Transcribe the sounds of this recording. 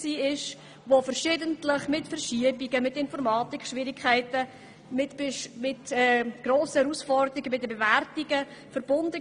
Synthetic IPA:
siːɪʃ | ʋofəɾʃɪdəntləχmɪtfəɾʃiəbiɡəmɪtɪnfɔɾmɑːtikχʃʋɪɾɪkʰχaɪtə | mɪtmɪtɛɡ̥ɾoːsəhɛɾusfɔrd̪əɾiɡəmɪtdəbevæɾtiɡəfəɾb̥ʊndə

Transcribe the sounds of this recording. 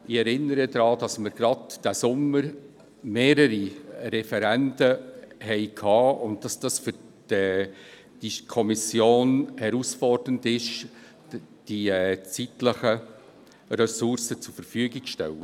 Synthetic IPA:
ɪɛɾɪnːəɾədɾɑːd̥ɑsməɾɡ̥ɾɑdd̥æsʊməɾ | meːɾəɾiɾɛfɛɾændəhɛɪkʰhɑːʊnt̚d̥ɑsd̥ɑsfʏɾ | d̥ɛ | d̥ikʰɔmisjoːnhɛɾusfɔrdəndɪʃ | d̥it͡sitləχə | ɾɛsʊɾsət͡sʊfəɾfyəɡɪɡʃtɛ̰lə

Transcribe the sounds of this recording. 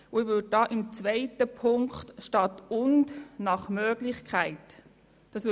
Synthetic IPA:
ʊɪʋʏd̚d̥ɑːʔɪmt͡sʋaɪtəpʰʊŋkχtʃtɑtʊndnɑχmøːɡ̥lɪχkʰχæɪt | d̥ɑːsʋ

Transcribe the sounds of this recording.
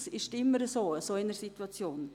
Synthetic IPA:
sɪʃtɪmːəɾəsoːəsoːɪnəɾsitwɑt͡sjoːn

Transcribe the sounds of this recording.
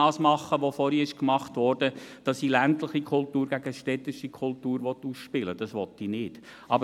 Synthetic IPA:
ɑːsmɑχːəʋofɔɾiɪʃkmɑχtʋɔrd̥əd̥ɑsilæntlɪχikʰʊltuːɾɡ̥æɡəʃtɛt̪ːɪʃikʰʊltuːɾʋɔt̪ːusʃpɪləd̥ɑsʋɔt̪ːinɪːd̥ | ʔɑbə

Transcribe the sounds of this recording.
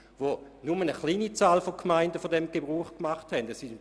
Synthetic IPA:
ʋonumənəχliːnit͡saːlfokʰmaɪndəfodɛmɡ̥ebʁuːχkmaχthɛndɛsɪ

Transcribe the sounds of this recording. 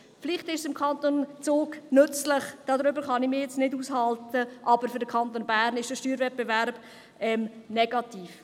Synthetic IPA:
fɪliχtɪʃsɪmkʰɑnt̪ont͡soːɡnʏt͡slɪχd̥ɑd̪ɾʏbəɾχɑnɪmɪjɛt͡snɪduːshɑltəʔɑbəɾfʏɾdəkʰɑnt̪oːnbæːɾnɪʃd̥əʃtyːɾvɛt̚b̥evæɾb̥ | ɛmnɛɡ̥ɑtiːf

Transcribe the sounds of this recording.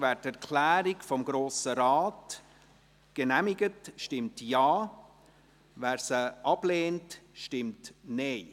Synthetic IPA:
væːɾtɛɾkʰlæːɾikfɔmɡɾoːsəɾaɑːt | ɡ̥ənæmɪɡətʃtɪmtjɑː | væːɾsəʔɑb̥leːntʃtɪmtneɪ

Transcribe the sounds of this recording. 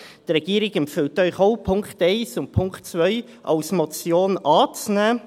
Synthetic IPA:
d̥əɾɛɡ̥iːəɾɪɡɛmpfʏltœʏχoʊpʰʊŋkteɪsʊntpʰʊŋktt͡svœʏ | ʔɑ̰lsmɔt͡sjoːnɑːt͡snɛː

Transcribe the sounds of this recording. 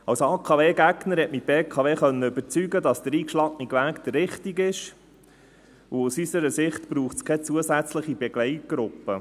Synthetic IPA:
ɑwsɑːkʰɑʋeːɡæɡnəɾhɛtmibeːkʰɑʋeːχœnːəøbəɾt͡syɡədɑsd̪əɾiːkʃlɑɡniɡʋæːkd̪̥ərːɪχtiɡɪʃ | uusysəɾəsɪχtb̥ɾuːχskʰɛt͡suəsæt͡sləχibɛɡ̥lɛɪt̚ɡ̥ɾʊpːə

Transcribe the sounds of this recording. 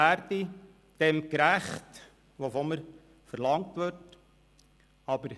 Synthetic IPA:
æɾdi | d̪̥ɛmkɾæχt | ʋofoməɾ | fəɾlɑŋtʋøɾt | ɑbəɾ

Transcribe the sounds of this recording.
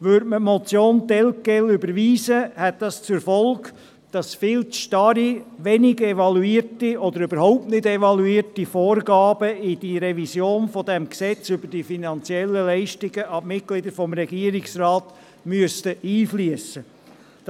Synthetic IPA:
ʋøːɾdməmɔt͡sjoːntɛlkɛlʏbəɾʋiːsəhɛt̚d̥ɑst͡sʊɾfɔlk | d̥ɑsfɪːlt͡sʃtɑɾiʋɛnɪɡɛʋɑluiːəɾtiɔd̪əɾybəɾhɔʊp̚tnɪdɛʋɑluiːrtifoːrɡɑːb̥əid̥iɾɛvisjoːnfɔd̪ɛmksɛt͡sʏbəd̥ifinɑnt͡sjɛlːəlɛɪʃtɪɡəʔɑmɪt̚ɡ̥lɪd̪əɾfɔmɾɛɡiəɾɪksrɑːt | myəstəʔiːfliəsə̥

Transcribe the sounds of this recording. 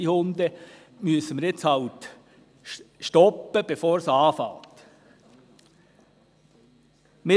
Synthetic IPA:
ihʊnd̪ə | myəsəmɪɾjɪt͡shɑʊt̪ | ʃtɔpːəb̥efoːɾsɑːfɑ̰ːt̪ | mɪ

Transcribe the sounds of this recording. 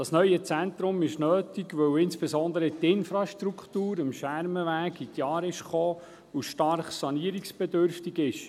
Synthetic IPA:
d̥ɑsnœʏət͡sɛnt̪ɾʊmɪʃnøːtiɡʋœwɪnsb̥ɛzɔndəɾətɪnfɾɑʃtɾuktuːɾəmʃæɾməʋæːkitjɑːɾɪʃχoː | uʃtɑɾχsɑniəɾiksb̥ɛdʏɾftiɡɪʃ

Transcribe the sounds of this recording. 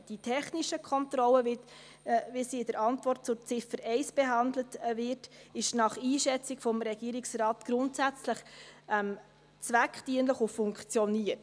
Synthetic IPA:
d̥itʰɛχniʃəkʰɔntɾɔlːəvɪt | visiɪd̥əɾɑntvɔrt̚t͡sʊt͡sɪfəɾɛɪsb̥ɛɦɑndlətvɪɾtɪʃnɑχiːʃɛt͡sɪɡfɔmɾɛɡ̥iəɾɪksrɑːtɡ̥ɾʊntsæt͡sləχɛm | t͡svækχtiənləχʊfʊŋkt͡sjɔniəɾt

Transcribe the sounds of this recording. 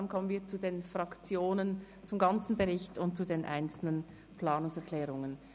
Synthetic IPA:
nkʰɔmənviːɐt͡sudeːnfʁɑkt͡sjoːnən | t͡sʊmɡɑnt͡sn̩bɛʁɪçtʰʊnt̚t͡sudeːnʔa̰ɪnt͡sl̩nən | pʰl̥aːnʊŋsɛɐkʰlɛːʁʊŋən

